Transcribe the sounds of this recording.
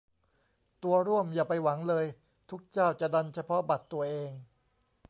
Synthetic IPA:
t̪u˧ɐɾu˥˩əmjaː˨˩pa˧jwa˩˦ŋlɤː˧j | t̪ʰu˦˥k̚t͡ɕaː˥˩wt͡ɕa˨˩da˧nt͡ɕʰa˧pʰɔ˦˥ba˨˩t̪ːu˧ɐʔeː˧ŋ

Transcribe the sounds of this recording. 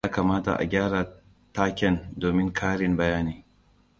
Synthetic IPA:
aː˦kaː˨maː˦ta̰˨ʔa̰˨ɡʲaː˦ɽa˨ | taː˦kʲɛ˨ndoː˨mɪ˦ŋkʰaː˦ɽɪ˨mbɐ˨jaː˦niː˨˦

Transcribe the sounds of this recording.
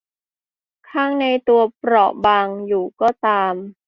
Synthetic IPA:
kʰaː˥˩ŋna˧jt̪u˧ɐpɾɔ˨˩ʔbaː˧ŋjuː˨˩kɔː˥˩t̪aː˧m

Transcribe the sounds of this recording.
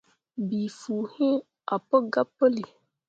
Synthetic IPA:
bi˨fuː˨hĩ˦ | a˨pə˦ɡa˦pːə˦li˨

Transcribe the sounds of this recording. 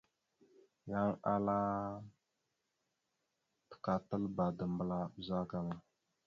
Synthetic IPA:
ja˦ŋa˦la˦ | tə̥˨ka˨tə˦lba˨də˨m˦bə˦la˦˨za˦ka˦na˦

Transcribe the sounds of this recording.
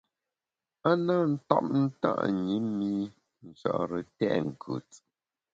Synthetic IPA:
a˦na˦n̩˦tɔ˦p̚n̩˦ta̰˦ʔɲi˨˦mi˦ | n̩˨t͡ʃɔ̰˨ʔɾə˨tɛ̰˦ʔŋ̩˨kʰʉ̰˨t͡s

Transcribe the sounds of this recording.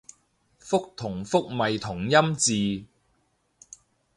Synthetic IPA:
fʊ˥k̚t̪ʰʊ˨˩ŋfʊ˥k̚mɐ˨jt̪ʰʊ˨˩ŋjɐ˥mt͡siː˨

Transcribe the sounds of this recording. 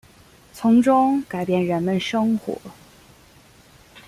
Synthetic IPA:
t͡sʰʊ˧˥ŋʈ͡ʂʊ˥ŋka˨˩ɪpjɛ˥˩nɻə˧˥nmə˥˧nʂɤ˥ŋxwɔ̰˧˥

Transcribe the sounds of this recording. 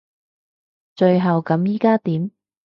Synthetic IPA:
t͡ʃɵ˧ɥɦɐ˨wkɐ˨˥mjiː˥kaː˥t̪iː˨˥m

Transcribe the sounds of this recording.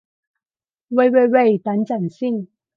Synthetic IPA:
we˨˩jwe˨˩jwe˨˩jt̪ɐ˨˥nt͡sɐ˨˩nsi˥˩ŋ

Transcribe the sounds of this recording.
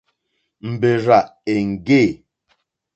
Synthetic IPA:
m̩˨be˨ɾa˨e˨ŋ̩˨ɡe˦˨

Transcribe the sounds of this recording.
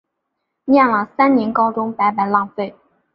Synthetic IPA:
njɛ˥˩nlə˨˩sa˥nnjɛ˧˥nkɑ˥ʊʈ͡ʂʊ˥ŋpa˧˥ɪpa˨˩ɪlɑ˥˧ŋfe˥˩ɪ

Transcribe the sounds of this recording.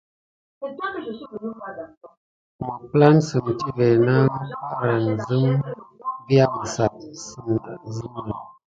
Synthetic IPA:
mə˨pla˦nsə˨m˨ti˦vɛ˨na˦n˦a˦ɾa˨n˨zə˦m | bi˦a˦bə˨sa˨t̚sə˦m˨da˨zə˦m˦nə˨

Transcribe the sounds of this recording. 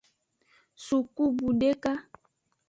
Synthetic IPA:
su˨ku˦bu˨de˦ka˦

